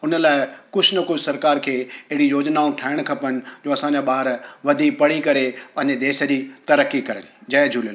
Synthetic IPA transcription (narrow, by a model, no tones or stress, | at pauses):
ʊnəlaːɪkʊd͡ʑʱnɐkʊd͡ʑʱsɐɾkaːɾkʰeːɐɦɪɽijoːd͡ʑnaːũʈʰaːɪɽ̃kʰɐpənɪ̆d͡ʑoːɐsãːɲd͡ʑaɓaːɾʋɐd̪ʱiːkpɐɽ̤ikɐɾepɐ̃ɦɪ̃ɲd͡ʑed̪eːʃə̆d͡ʑiːt̪ɐɾəkːikɐɾəlɪd͡ʑɐd͡ʑʱuːləl